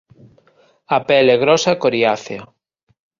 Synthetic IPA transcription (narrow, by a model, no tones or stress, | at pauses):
apɛleɣɾɔsakoɾiaθe